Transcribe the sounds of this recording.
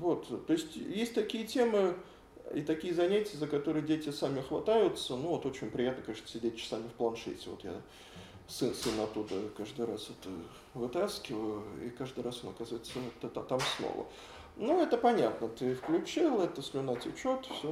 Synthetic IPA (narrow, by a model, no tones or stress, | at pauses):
vo̞t̪t̪ːo̞ɪsʲtʲjesʲtʲt̪ɐkʲijətʲe̞mɨ | ḭt̪ɐkʲijəzɐnʲætʲɪjəzəkɐt̪o̞ɾɨjdʲetʲɪsamʲɪxvɐt̪ajʊt̪sənuvo̞t̪o̞t͡ɕɪnʲpɾʲɪjat̪nəkɐeʂt̪ə̥sʲɪdʲet̚ʲt͡ɕɪ̥samʲɪfplˠɐnʂɛ̰tʲɪvo̞̰t̪ja̰ | sɨnsɨnɐt̪ːud̪əkaʐd̪ɨɾasɛt̪ə | vɨt̪askʲɪvəjʊḭkaʐd̪ɨɾaso̞nɐkazəvəjɪt̪sət̪ət̪at̪amsno̰və̰ | nuɛt̪əpɐnʲat̪nət̪ɨfklʲʉt͡ɕilˠɛt̪əsʲlʲʊnatʲɪt͡ɕot̪fsʲo